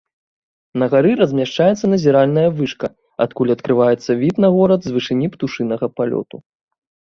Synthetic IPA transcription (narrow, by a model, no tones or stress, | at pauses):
nɐɣaɾɨɾɐzʲmʲaʂt͡ʂajɛt̪sːɐnɐzʲɛɾalʲnɐjɐvɨʂkɐ | ɐ̰t̪̚kulʲɐt̪kɾɨvajɛt̪sːɐvʲit̪nɐɣɔɾɐd̪zvɨʂɨnʲipt̪uʂɨnɐɣɐpalʲɔ̰t̪u